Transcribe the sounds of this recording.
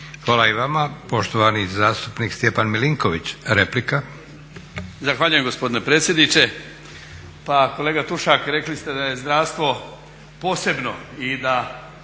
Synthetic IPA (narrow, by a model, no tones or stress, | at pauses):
xʋaːlaiʋamapo̞ʃt̪oʋanizaːst̪upnikst̪jepanmiliŋkoʋit͡ɕɾeplika | zaxʋaːʎujemɡo̞spo̞d̪inepɾeːt̪sje̞d̪nit͡ʃe̞ | pako̞leːɡat̪uʃakɾe̞klist̪e̞d̪aje̞zd̪ɾaːʋst̪ʋo̞ | po̞ːse̞bno̞id̪a